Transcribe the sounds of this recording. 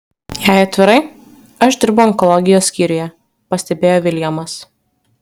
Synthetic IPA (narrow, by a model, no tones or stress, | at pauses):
jæˑɪɐt̪ʲʋʲɪɾɐɪ | ɐʃd̪ʲɪɾbʊɐŋkɔlˠɔɡʲɪjoːsʲkʲiːɾʲʊjɛ | pɐsʲt̪ʲɛbʲeːjoːʋʲɪlʲjɛmɐs